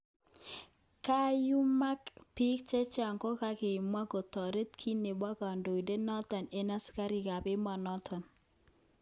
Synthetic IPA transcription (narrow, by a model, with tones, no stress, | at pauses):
ka˦ju˦ma˦kpi˦k̚t͡ʃɛ˦t͡ʃa˨ŋkɔ˦ka˦kɪ˨mwa˦ko˨tɔ˨ɾe˦t̪kʰi˦ne˨ba˦ka˨ndo˨i˨de˦nɔ˦tɔ˨ne˨na˦ska˦ɾi˨ka˨pɪ˦ma˨nɔ˦tʰɔ˨n